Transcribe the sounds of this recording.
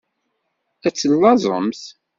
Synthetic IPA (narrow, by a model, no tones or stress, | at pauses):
æt͡sːəlːɑzˤə̰mθ